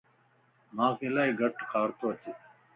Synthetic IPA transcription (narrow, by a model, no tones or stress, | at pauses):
mãːkelaːiɡʱɐʈkʰaːɾt̪oɐt̪ʰi